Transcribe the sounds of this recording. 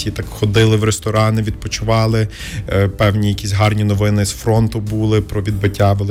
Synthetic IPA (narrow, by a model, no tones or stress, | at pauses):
it̪ɑkxɔd̪ɪlˠɪwɾest̪ɔɾɑnɪʋʲid̪̚pɔt͡ʃʊʋɑlˠɪ | pɛwnʲijɐkʲisʲɦɑrnʲinɔʋɪnɪzfɾɔnt̪ʊbulˠɪpɾɔʋʲid̪̚bɪtʲːaʋɔlˠ